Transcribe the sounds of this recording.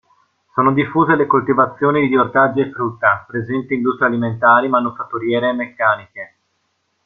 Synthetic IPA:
soːnod̪ifːuːzelekolt̪ivat̪sːjoːnid̪iiort̪ad͡ʒːiefɾut̪ːapɾezɛnt̪iind̪ust̪ɾealiment̪aːɾimanufat̪ːuɾjɛːɾeːmːekːaːnike

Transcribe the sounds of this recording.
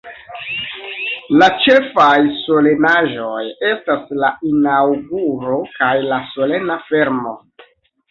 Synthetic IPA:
lat͡ʃe̞fajso̞le̞naʒo̞je̞staslainawɡuɾo̞kajlaso̞le̞nafe̞ɾmo̞̰

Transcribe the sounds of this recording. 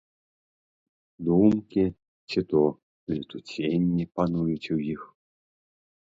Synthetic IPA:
d̪umkʲi | t͡sʲit̪ɔ | lʲit̪ut͡sʲenʲːipanujut͡sʲwjix

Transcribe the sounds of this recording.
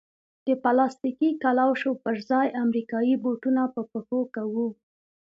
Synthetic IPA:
d̪̥əpalɑst̪ikikalawʃopəɾzɑjʔamɾikɑjiboʈunapəpəxokawu

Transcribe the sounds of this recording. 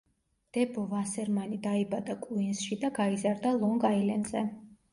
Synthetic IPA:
d̪̥ɛbɔvasɛɾmanid̪aibad̪akʼuinsʃid̪aɡaizaɾd̪alˠɔŋɡailɛnzɛ

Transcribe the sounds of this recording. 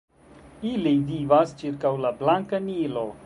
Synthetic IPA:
ilivivast͡ʃiɾkawlablaŋkanilo

